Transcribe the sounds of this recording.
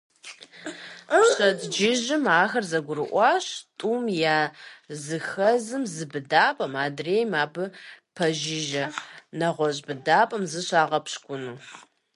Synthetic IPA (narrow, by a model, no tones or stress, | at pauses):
ɕɐtʼd͡ʒɪʒɪmaːxɐrzɐɡʷʊɾɨʔʷɑːɕtʼuːmjaːzɨxɐzɨmzɨbɨdaːpʼɐmaːdreːjmaːbɨpʰɐʒɪʒɐnɐʁʷɔʑbɨdaːpʼɐmzɨɕaːʁɐpɕkʷʼʊnɨ